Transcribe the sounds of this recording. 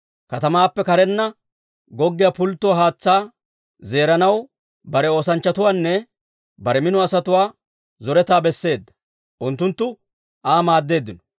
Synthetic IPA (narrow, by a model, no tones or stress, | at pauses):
kɐt̪ɐmaːpːɛkɐɾɛnːɐ | ɡɔɡːɪjapʊlt̪ːʊwaɦaːt͡sːaː | ze̞ːɾɐnɐw | bɐɾɛo̞ːsɐnt͡ʃːɐt̪ʊwaːnːɛ | bɐɾɛmɪnɔɐsɐt̪ʊwaː | zɔɾɛt̪aːbɛsːe̞ːd̪ːɐ̥ | ʔʊnt̪ːʊnt̪ːʊ | ʔaːmaːd̪ːe̞ːd̪ːɪnɔ̥